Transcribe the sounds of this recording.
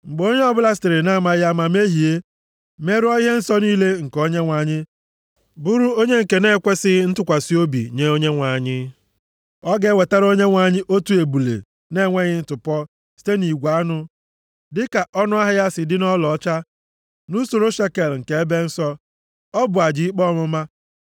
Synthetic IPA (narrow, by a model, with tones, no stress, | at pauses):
ŋ͡m̩˨ɡ͡bo˦ɲe˦ɔ˦bʊ˦la˦ste˨ɾɪ˨na˦˨ma˨ja˦ma˨me˦ɦi˨e˦ | me˦ɾɔ˦i˦ɦe˦n̩˦sɔ˦niː˦le˦ŋ̩˨ko˦ɲe˦ŋʷa˨ɲɪ˦ | bu˦ɾu˦o˦ɲe˦ŋ̩˨ke˨ne˦kʷe˦sɪ˦n̩˦tʊ˦kʷa˨si˦o˦bḭ˨ɲe˨˦o˦ɲe˦ŋʷa˨ɲɪ˦ | ɔ˦ɡe˦˨we˨ta˦ɾo˦ɲe˦ŋʷa˨ɲɪ˦ʔo˦tu˨˦e˨bu˨lḛ˨ | ne˦˨ŋʷe˦ɣɪ˦n̩˦tʊ˨pɔ˦ | si̥˦te˦ni˨ɡʷa˨˦nʊ˦ | dɪ˦ka˨ʔɔ˦nʊ˦a˦ɦɪ˦ja˦sɪ˨dɪ˦nɔ˦lɔ˨ɔ˦t͡ʃa˦ | nu˦so˨ɾo˦ʃe˦ke˨lŋ̩˨ke˨e˦be˦n̩˦sɔ˦ | ɔ˦bʊ˨a˨d͡ʒi˦i˦k͡pɔ˦mʊ˦ma˦